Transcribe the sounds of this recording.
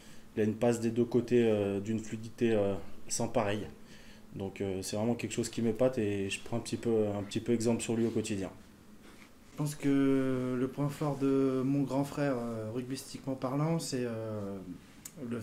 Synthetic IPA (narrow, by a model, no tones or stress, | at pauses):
ilaynpasd̪ed̪økot̪eød̪ynflyd̪it̪eøsɑ̃paʁɛj | d̪ɔ̃køsɛvʁɛmɑ̃kʲɛlkə̥ʃozkʲiməpat̪eʒəpχɑ̃ɛ̃pət̪ipøɛ̃pət̪ipøɛɡzɑ̃plsyʁlɥiokɔt̪id̪jɛ̰̃ | ʒəpɑ̃skələpwɛ̃fɔʁd̪əmɔ̃ɡʁɑ̃fχɛʁøʁyɡist̪ikmɑ̃paʁlɑ̃sɛø | lə